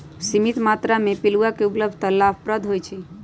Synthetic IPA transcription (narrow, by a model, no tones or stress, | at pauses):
simit̪mat̪ɾamepiluakeupləb̚ʱd̪ʱt̪əlːafʰpɾəd̪ʱɦojt͡ʃʰi